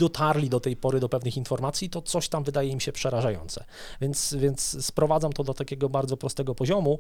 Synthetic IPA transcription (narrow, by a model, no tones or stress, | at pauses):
d̪ɔt̪ʰaɾlʲid̪ɔt̪ɛjpɔɾɘd̪ɔpɛvnɘxinfɔɾmat̪sʲjit̪ɔt̪sɔɕt̪amvɘd̪ajɛimɕɛpʂɛɾaʐajɔ̰nt̪sɛ̰ | vʲjɛnt̪svʲjɛnt̪sspɾɔvad̪amt̪ɔd̪ɔt̪akʲeɡɔbaɾd̪zɔpɾɔst̪ɛɡɔpɔʑɔmu